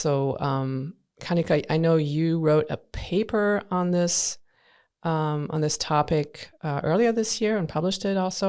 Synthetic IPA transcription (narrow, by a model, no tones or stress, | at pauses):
soʊʌ̃m | kʰãɪ̃ndɨkʰaʔaɪnoʊjɨɹoʊɾɨ̰pʰeɪpʰə˞ə̃nðɪs | ʔʌ̃mə̰̃nðɪstʰɑpɪkʌʔɜ˞lˠiə˞ðɪsjɪɹɨ̃npʰʌbləʃtɪɾɔlˠsoʊ